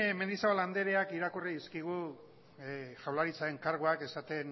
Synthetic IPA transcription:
me̞nd̪isaoland̪e̞ɾe̞akiɾakuriðiskiɣu | ʝawlaɾit͡sae̞ŋkaɾɣoake̞sat̪e̞n

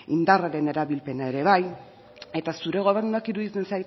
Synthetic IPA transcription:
ind̪araɾe̞ne̞ɾaβilpe̞nae̞ɾe̞β̞aj | e̞t̪asuɾe̞ɣ̞o̞β̞e̞ɾnuakiɾuðit͡se̞nsajt̪

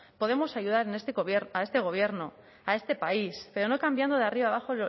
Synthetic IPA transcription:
po̞ð̞e̞mo̞saʝuð̞aɾenest̪eɣβjeɾae̞st̪e̞ɣ̞o̞β̞je̞ɾno̞ | ae̞st̪e̞paispe̞ɾo̞no̞kambjand̪oðeariβaːβaxo̞

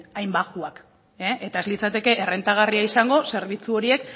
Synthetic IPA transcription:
ajmbaɣuak | eʔet̪aezlit͡sat̪e̞ke̞ʔere̞nt̪aɣ̞ariaisaŋɡo̞se̞ɾβ̞it͡suo̞ɾie̞k

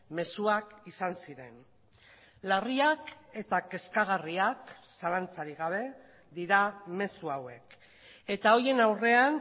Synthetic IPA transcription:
me̞suakisansiɾe̞n | lariake̞t̪ake̞skaɣ̞ariaksalant͡saɾiɣaβ̞e̞ | d̪iɾame̞suawe̞k | e̞t̪ao̞je̞nawre̞an

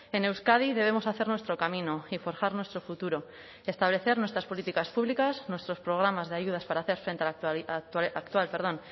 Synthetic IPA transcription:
e̞ne̞wskað̞iðe̞β̞e̞mo̞saθe̞ɾnwe̞st̪ɾo̞kamĩnoifo̞ɾxaɾnwe̞st̪ɾo̞fut̪uɾo̞ | e̞st̪aβle̞θe̞ɾnwest̪ɾaspo̞lit̪ikaspuβlikaznwe̞st̪ɾo̞spɾoɣ̞ɾamazðeaʝuð̞aspaɾaːθe̞ɾfɾe̞nt̪eakt̪akt̪walpe̞ɾðõ̞n

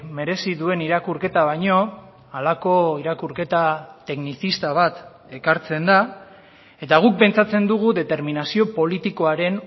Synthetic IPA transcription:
me̞ɾe̞siðue̞niɾakuɾke̞t̪aβajɲo̞ | alako̞iɾakuɾke̞t̪at̪e̞knisist̪aβ̞at̪ | e̞kaɾt͡se̞nd̪a | e̞t̪aɣ̞uk̚pe̞nt͡sat͡se̞nd̪uɣ̞uðe̞t̪e̞ɾminasio̞po̞lit̪iko̞aɾe̞n

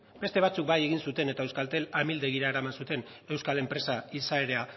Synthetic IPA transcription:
be̞st̪e̞βat͡suk̚baje̞ɣ̞insut̪e̞ne̞t̪ae̞wskalt̪e̞lamild̪eɣ̞iɾaeɾamansut̪e̞n | e̞wskale̞mpɾe̞saisae̞ɾe̞a

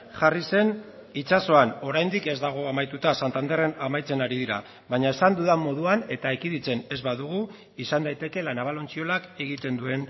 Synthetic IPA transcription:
ʝarise̞n | it͡ʃaso̞ano̞ɾajnd̪ike̞zd̪aɣ̞o̞amajt̪ut̪asant̪and̪e̞re̞namajt͡se̞naɾiðiɾa | βaɲae̞sand̪uðamo̞ðuane̞t̪aekiðit͡se̞ne̞zβaðuɣ̞u | isand̪ajt̪e̞ke̞lanaβ̞alo̞nt͡sio̞lake̞ɣit̪e̞nd̪ue̞n

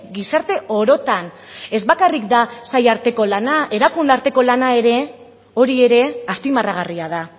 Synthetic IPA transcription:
ɡisaɾt̪e̞ʔo̞ɾo̞t̪an | e̞zβakarikd̪asajaɾt̪e̞ko̞lanae̞ɾakund̪aɾt̪e̞ko̞lanae̞ɾe̞ | o̞ɾie̞ɾe̞aspimaraɣ̞ariað̞a

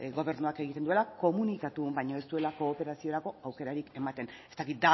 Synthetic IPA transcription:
ɣo̞β̞e̞ɾnuake̞ɣit̪e̞nd̪ue̞lako̞munikat̪umbajɲoe̞st̪ue̞lako̞ːpe̞ɾasio̞ɾako̞awke̞ɾaɾike̞mat̪e̞ne̞st̪akit̪̚d̪a

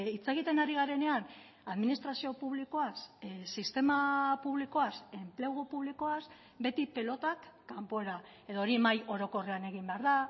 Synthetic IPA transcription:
it͡se̞ɣ̞it̪e̞naɾiɣaɾe̞ne̞an | aðminist̪ɾasio̞puβliko̞assist̪e̞mapuβliko̞ase̞mple̞ɣopuβliko̞as | be̞t̪ipe̞lo̞t̪akːampo̞eɾa | e̞ðoːɾimajo̞ɾo̞ko̞re̞ane̞ɣ̞imbe̞aɾða

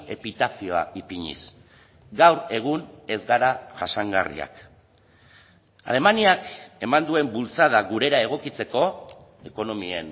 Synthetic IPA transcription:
e̞pit̪aθioa̰ipiɲḭs | ɡawɾe̞ɣ̞une̞zɡaɾaʝasaŋɡa̰rḭa̰k | a̰le̞maniake̞mand̪ue̞mbult͡saðaɣuɾe̞ɾae̞ɣ̞o̞kit͡se̞ko̞ | eko̞no̞mie̞̰n

